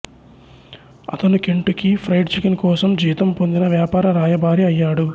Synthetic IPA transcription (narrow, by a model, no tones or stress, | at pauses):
ɐ̰t̪ɐnukeɳʈukipʰɾɐjʈt͡ʃikinkɔːsɐmd͡ʒiːt̪ɐmpo̞nd̪inɐʋjaːpaːɾɐɾaːjɐbʱaːɾiɐjːaːɽu